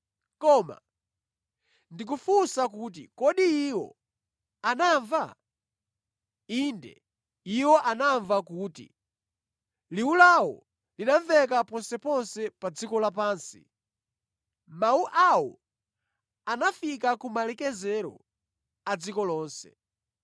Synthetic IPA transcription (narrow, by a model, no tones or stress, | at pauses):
kɔːma̰ | ndik̬ufusak̬uːt̬ḭkɔɗiiwɔ̰ | anaɱva | indɛ̰ | iwɔʔanaɱvakuːtḭ | liwulawɔ̰ | liɗaɱvɛkapɔnsɛpɔnsɛpad͡zikɔlapaːnsḭ | mauʔawɔ̰ | anafikakumalɛkɛzɛɾɔ̰ | ad͡zikɔlɔːnsɛ̰